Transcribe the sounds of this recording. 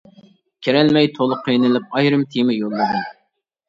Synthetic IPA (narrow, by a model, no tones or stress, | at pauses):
kʲʰeɾɛlmɛjt̪ʰolˠʊqʰijnɨlˠɪp̚ɑjɾɨmt̪ʰimɪjolˠːɨd̪ɨ